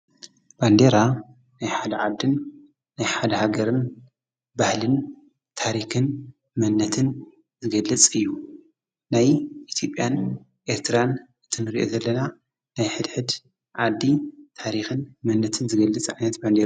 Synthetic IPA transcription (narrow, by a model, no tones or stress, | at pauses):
b̥and̪eɾa | najħad̪ɐʕad̪ːɨnː | ajħad̪ɐhaɡɐɾɨn | bahlɨn | t̪ʰaɾixɨn | mɐnːɐt̪ʰɨn | zɨɡɐlːɐt͡sʼɨjːu | najʔit̪ʰjo̞pʼjan | ʔe̞ɾt̪ʰɨɾan | ɨt̪ʰɨnɨɾiʔo̞̰zɐlːɐna | najħɨd̪ħɨd̪ | ʕad̪ːit̪ʰaɾixɨnmɐnːɐt̪ʰɨnzɨɡɐlːɨt͡sʼʕajnɐt̪band̪e